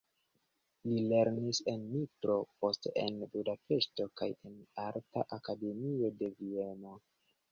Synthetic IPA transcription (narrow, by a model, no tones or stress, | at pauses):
lile̞ɾnise̞nːitɾo̞po̞steḛnbudape̞ʃto̞kaje̞naɾta̰ʔakade̞mio̞de̞vie̞no̞